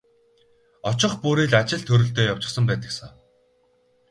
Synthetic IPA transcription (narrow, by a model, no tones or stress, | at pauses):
ɔt͡ɕɪ̆χpuːɾiːɮat͡ɕɪ̆ɮt̪ʰɵɾɵ̆ɬt̪eːjaw̥t͡ɕɪ̆χsə̆mpæːt̪ə̆ksɔː